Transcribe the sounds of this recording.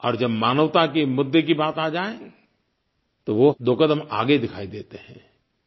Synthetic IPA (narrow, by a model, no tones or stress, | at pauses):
ɔːɾd͡ʒɐbmaːnəʋt̪akemʊd̪ːek̬ibaːt̪aːd͡ʒaːẽ | t̪oʋod̪oːkəd̪əma̰ːɡed̪ɪkʰaːid̪eːt̪eɦɛ̰̃ː